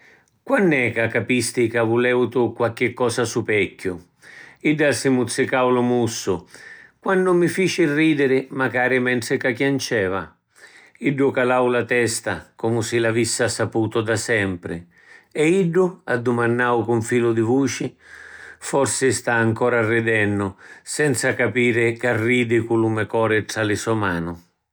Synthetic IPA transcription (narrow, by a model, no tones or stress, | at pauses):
kwanːɛkakapist̪ɪkavulɛwt̪ukwalkːɪkːɔːsasupɛkːʊ | iɖːalsɪmut̪sːɪkawlʊmusːʊkwanːʊmːifiːt͡ʃɪrːiːd̪ɪɾɪmakaːɾɪmɛnt̪ɪkakjant͡ʃɛːva̰ | iɖːʊkalawlat̪ɛst̪akɔmʊsɪlavisːasapuːt̪ʊd̪asɛmpɾɪ̰ | ɛiɖːʊa̰d̪ːʊmanːaːwkʊɱfiːlʊd̪ɪvuːt͡ʃɪ | fɔrsɪst̪aːŋkɔːɾarːid̪ɛnːʊsɛnt̪sakapiːɾɪkarːiːd̪ɪkulumɛkɔːɾɪʈ̪ɾalɪsɔmaːnʊ